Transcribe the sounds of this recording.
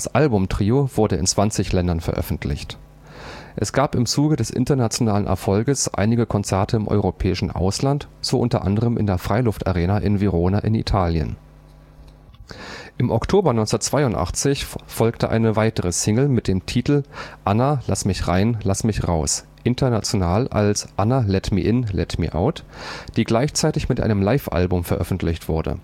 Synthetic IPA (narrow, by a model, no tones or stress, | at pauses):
d̥asʔalbʊmtʁ̥iːov̥ʊɐdəɪ̰nt͡sv̥ant͡sɪçlɛndɐnfɛɐʔœ̰fn̩tʰlɪ̰çt | ʔɛsɡ̥aːpɪmt͡suːɡədɛsʔɪ̰ntɐnat͡sjonaːlənʔɛ̰ɐfɔlɡəsʔa̰ɪnɪɡəkʰɔnt͡sɛɐtʰəɪmʔɔ̰ʏʁopʰɛːɪʃn̩ʔa̰ʊslantz̥oʔʊntɐ̰ʔa̰ndəʁ̞əmʔɪ̰ndeːɐfʁ̥aɪlʊfta̰ʁeːnaʔɪnviʁoːnaʔɪnḭtʰaːljə̰n | ʔɪmʔɔktʰoːbɐnɔʏnsndɐtt͡sv̥aɪʊntʔa̰χt͡sɪçfɔlktʰəʔa̰ɪnəvaɪtəʁəsɪŋl̩mɪt̚d̥eːmtʰiːtl̩ʔanalasmɪçʁaɪnlasmɪçʁaʊs | ʔɪntʰɐnat͡sjonaːlʔa̰lsʔanalɛtmḭʔɪnlɛ̰tmḭʔa̰ʊtd̥iːɡlaɪçt͡saɪtɪçmɪtʔa̰ɪnəmlaɪfʔa̰lbʊmfɛɐʔœfn̩tʰlɪçtv̥ʊɐdə̰